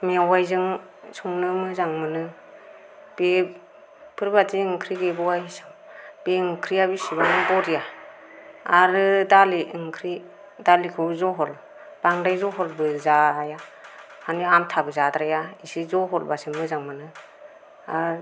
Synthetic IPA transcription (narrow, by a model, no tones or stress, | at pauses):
miawajzɯŋ | sɔŋnɯmɯzaŋmɯnɯ | b̥e | pʰɯɾbatiɯŋkʰɾiɡebɔwajisɯŋb̥eɯŋkʰɾiaβisiβanɯŋbɔɾija | aɾɯdaliɯŋkʰɾi | dalikʰɯwzɔɦɔl | b̥aŋdajzɔɦɔlbɯzaaja | haniamtʰabɯzadɾajaisizɔɦɔlbasɯŋmɯzaŋmɯnɯ | a̰ɾ